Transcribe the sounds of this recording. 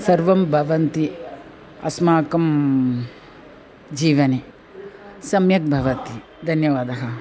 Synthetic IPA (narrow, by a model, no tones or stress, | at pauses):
sɐɾʋɐmbʱɐʋɐnt̪i | ɐ̰smaːkɐm | d͡ʒiːʋɐni | sɐmjɐk̚bʱɐʋɐt̪i | d̪ʱɐnjɐʋaːd̪ɐɦɐ